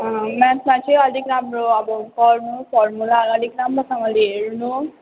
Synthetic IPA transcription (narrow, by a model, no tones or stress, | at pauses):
mɛ̃smãt͡ʃʰiʌd̪ʱikɾamɾoʌbʌkɔɾnupʰɔɾmulaʌd̪ʱikɾamɾosʌŋɡʌliɦeɾunu